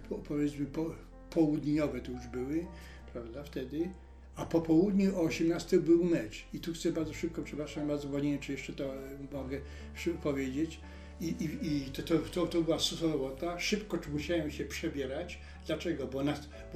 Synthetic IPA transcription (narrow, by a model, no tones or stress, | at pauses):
pɔpʰɔvʲjɛt̪smɘpɔ | pɔwud̪ɲɔvɛt̪ɔjuʐbɘwɪ | pɾavd̪aft̪ɛd̪ɪ | apɔpɔwud̪ɲuɔɔɕɛmnast̪ɛbɘwmɛt͡ʂit̪uxt̪sɛbaɾd̪zɔʂɘp̚kɔpʂɛpɾaʂambaɾd̪zɔpɔd͡ʑiɲɛt͡ʂɛjɛʂt͡ʂɛt̪ɔmɔɡɛ | ʂpɔvʲjed͡ʑet͡ɕ | iiit̪t̪ɔt̪ɔt̪ɔbɘwasusɔɾɔbɔt̪aʂɘpkɔt͡ʂmuɕawɛmɕɛpʂɛbʲjɛɾat͡ɕ | d̪lat͡ʂɛɡɔbɔna | b